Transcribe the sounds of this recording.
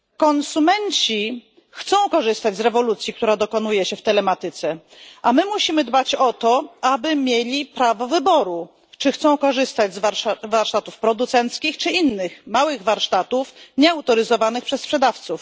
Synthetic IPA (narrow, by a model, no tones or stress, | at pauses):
kɔnsumɛɲt͡ɕi | xt̪sɔ̃w̃kɔʐɘst̪ad͡ʑʲzɾɛvɔlut̪sʲjik̚t̪uɾad̪ɔkɔnujɛɕɛft̪ɛlɛmat̪ɘt̪sɛ | ʔamɘmuɕimɘd̪bat͡ɕɔt̪ɔabɘmʲjelʲipɾavɔvɘbɔɾu | t͡ʂɘxt̪sɔ̃w̃kɔʐɘst̪ad͡ʑzvaɾʂavaɾʂt̪at̪ufpɾɔd̪ut̪sɛnt̪skʲixt͡ʂɘinːɘxmawɘɣvaɾʂt̪at̪ufɲɛawt̪ɔɾɘzɔvanɘpʂɛsːpʂɛd̪aft̪suf